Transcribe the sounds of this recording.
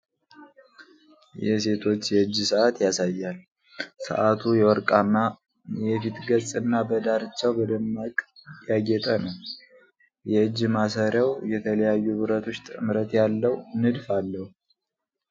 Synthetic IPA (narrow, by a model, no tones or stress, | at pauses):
jɛse̞t̪ʰo̞t͡ʃːjɛɨd͡ʒːsəʔat̪jasajːal | sɨ̰ʔat̪ʰujɛwɔɾkʼana | jɛfit̪ɡət͡sʼɨnːabəd̪aɾɨt͡ʃːawbəd̪əmːakʼjaɡɛt̪ʼənəw | jɛɨd͡ʒːmasəɾawjɛt̪ʰələjajːubɨɾət̪ʰo̞t͡ʃːt̪ʼɨmɾət̪jalːəwnɨd̪falːəhu